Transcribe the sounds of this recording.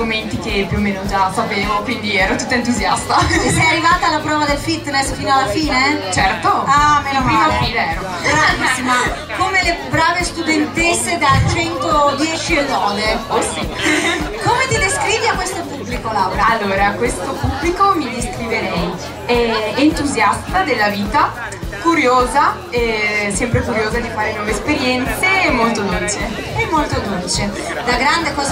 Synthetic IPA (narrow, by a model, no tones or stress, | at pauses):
oment̪ikepːjuomeːnod͡ʒafapeːmokwind̪iɛːɾot̪ut̪ːaent̪̬uzja̰st̪asɛjarːivaːt̪alapɾɔːvad̪elfit̪ːnɛsfiːnoalːafiːnet͡ʃɛrt̪oamepimafiːleɛːɾoaɡɾaisima | komelebɾaːvest̪ud̪ent̪esːed̪alt͡ʃɛnt̪od̪jɛːt͡ʃielːɔːd̪eosi | komet̪id̪eskɾiːviakːwest̪opubːlikolawɾoalːoːɾakwest̪opubːlikomid̪eskɾiveɾɛj | ɛent̪uzjast̪ad̪elːaviːt̪a | kuɾjoːza | ɛsɛmpɾekuɾjoːzad̪ifaːɾenwɔːvespeɾjɛnt̪seːmːolt̪od̪olt͡ʃe | ɛmːolt̪od̪olt͡ʃe | d̪aɡɾand̪ekɔːza